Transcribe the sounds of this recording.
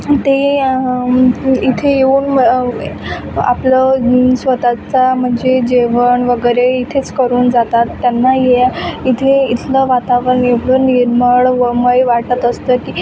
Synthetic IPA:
t̪e | it̪ʰejeuːn | a̰pləsʋət̪at͡sam̤əɳd͡zed͡ʑeʋəɳʋəɡəjɾeit̪ʰet͡skəɾuːnd͡zat̪at̪ːjanːajeait̪ʰeit̪ʰləʋat̪aʋɾəɳeʋloniɾməɭʋəməjʋaʈət̪əst̪əki

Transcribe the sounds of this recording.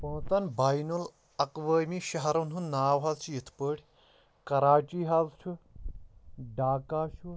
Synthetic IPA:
pɐ̃ːt͡sɐnbaːjnul | ɐkʋəːmiʃɐɦɐɾɐnɦunnaːʋɦazt͡ʃʰujit̪ʰpəːɽʲ | kɐɾaːt͡ʃiːɦazt͡ʃʰu | ɖaːkaːʃu

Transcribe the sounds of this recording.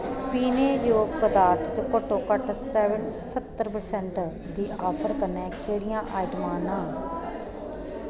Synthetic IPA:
piːneːjoːɡ̚pəd̪aːɾt̪ʰt͡ʃəkoːʈõːkəʈsɛʋənsət̪ːəɾpəɾsɛ̃ɳʈ | d̪iːʔɔːpʰəɾkənɛ̃ːkʰeːɽɪjãːʔaːɪʈmãːnãː

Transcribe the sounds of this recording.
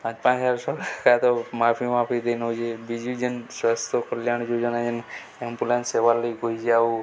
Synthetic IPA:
pãt͡ʃpãt͡ʃaɾsɔkat̪ɔmapʰimapʰid̪enod͡ʒebid͡ʒud͡ʒənswast̪ʰokəljaɳ̃d͡ʒod͡ʒənad͡ʒən | empulãnseʋalːəiɡoid͡ʒau

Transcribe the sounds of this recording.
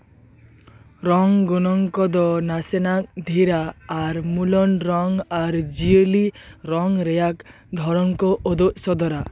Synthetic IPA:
ɾɔŋɡɔnɔŋkɔd̪ɔnasenak̚dʱiɾaːɾmulɔnɾɔŋaɾd͡ʒiəliɾɔŋɾejak | d̪ʱɔɾɔŋkɔʔɔd̪ɔʔsɔd̪ɔɾa

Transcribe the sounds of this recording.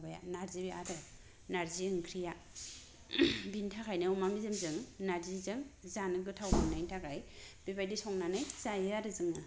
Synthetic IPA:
baja̰naɾzibiaɾɯ | naɾziɯŋkʰɾija | bintʰakʰajnɯumamizɯmzɯŋnaɾzizɯŋzanɯɡɯtʰawmamnajntʰaɡaj | b̥ibajdisɔŋnanajzajɯaɾɯzɯŋɯ

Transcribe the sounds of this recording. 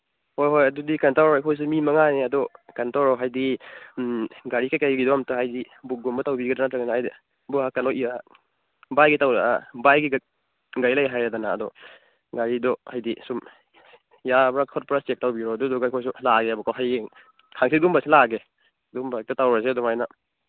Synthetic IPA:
hojɦojɐdudikantawɾajkʰɔjs̬umimɐŋaneɐdɔkantawɾɔɦajdi | ɡaɾikajkajɡidɔamtaɦajdi | buk̚ɡɔmbɐtawbiɡadanatɾaɡanahajdi | buɦakalɔia | bajɡitawɾaa̰bajɡiɡ | ɡajlajɦajadana̰ːdɔ | ɡaɾidɔhajdisum | jabɾakʰɔt̚pɾast͡ʃek̚tawbiɾɔdɔdɔɡajkʰɔjs̬ulaɡeɐbukʰawɦaj | kʰaŋsiɡumbasilaɡe | dumbak̚tatawɾasedɔmajna

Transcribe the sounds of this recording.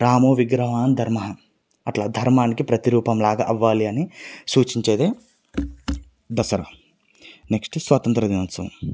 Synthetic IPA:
ɾaːmoːʋiɡɾɐʋaːnd̪ʱɐɾmɐɦɐ | ɐʈlaːd̪ʱɐɾmaːnikipɾɐt̪iɾuːpɐmlaːɡa̰ːʔɐʋːaːliɐnisuːt͡ʃiɲt͡ʃeːd̪eː | d̪ɐsɐɾa̰ː | neksʈsʋɐt̪ɐnt̪ɾɐd̪inɐnsɐ

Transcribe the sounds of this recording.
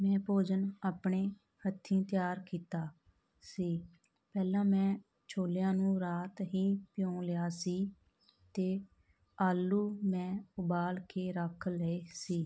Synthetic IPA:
mɛ̃ːpoːd͡ʒənaːpɳeː | hət̪ʰːĩːt̪ɪjaːɾkiːt̪aː | siː | pɛːlãːmɛ̃ː | t͡ʃʰoːljãːnũːɾaːt̪ɦiːpɪjõːlɪjaːsiː | t̪eː | aːlːuːmɛ̃ːʊbaːlkʰeːɾəkʰləeːsiː

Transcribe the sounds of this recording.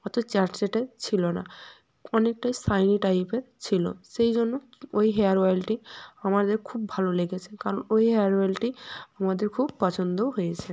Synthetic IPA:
ɔt̪ot͡ɕaɾʈseʈeɾt͡ɕʰilona̰ | ɔnek̚ʈajsajniʈajpeɾt͡ɕʰilo̰sejd͡ʑonːo | ojɦeaɾoalʈiamaɾd̪eɾkʰubːʱalolekʰet͡ɕʰekaɾɔnojɦeaɾoalʈiamad̪eɾkʰub̚pɔt͡ɕʰond̪oɦojet͡ɕʰe

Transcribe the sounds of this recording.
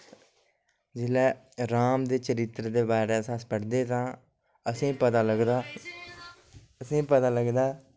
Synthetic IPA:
d͡ʒɪlɛː | ɾaːmd̪eːt͡ʃəɾɪt̪ːɾd̪eːbaːɾeːsaːspəɽd̪eːt̪ãː | əsĩːpət̪aːləɡd̪aː | əsĩːpət̪aːləɡd̪aː

